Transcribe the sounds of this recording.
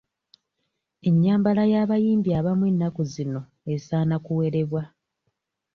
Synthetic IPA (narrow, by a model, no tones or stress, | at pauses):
e̞ɲːaːmbalajaːβajiːmbiaːβamwe̞nːakuzino̞ | esaːnakuwe̞ɾe̞βwa